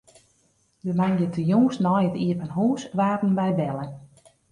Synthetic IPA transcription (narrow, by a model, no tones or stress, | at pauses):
dəmanjətʰəjuːsnɔjətiəpənɦuːsʋaːtn̩bɛjbɛlˠən